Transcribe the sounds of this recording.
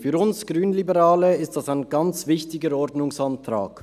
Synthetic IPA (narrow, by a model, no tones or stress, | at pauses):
fyːɾʊnsɡ̥ʁyːnlibəʁaːləɪstd̥asaɪnɡɑnt͡svɪçtɪɡəɾɔɾdnʊŋsantra̰ːk